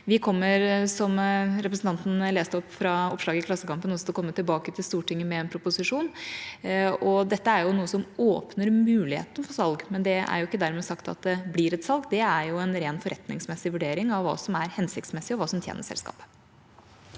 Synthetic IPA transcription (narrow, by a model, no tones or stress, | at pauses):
ʋɪkʰɔmːəɾsɔmɾɛpɾəsn̩t̪ɑnt̪n̩leːst̪əɔpfɾɑɔpʂlɑːɡəɪklɑsːəkɑmpənɔsɔt̪ʰɔkɔmːət̪ɪlbɑːkət̪ʰɪlst̪uːʈɪŋːəmɛɛnpʰɾʊpʊsɪʂuːn | ɔd̪ɛt̪ːəæɾjʊnuːəsɔmoːpnəɾmʉːlɪhḛːt̪ən̩fɔsɑlɡmɛnd̪ɛæ̰ɾjʊɪkːəd̪æɾmɛːsɑkt̪ɑ̰t̪̚d̪ɛblɪɾɛt̪sɑlɡd̪ɛæɾjʊɛnɾeːnfɔɾʔɛt̪nɪ̰ŋsmɛsːɪʋʉɖeːɾɪŋɑʋːɑ̰ːsɔmæɾhɛnsɪkt̪smɛsːɪɔʋɑːsɔmt̪ʰjḛːnəʂsɛ̰lskɑ̰ːpə̥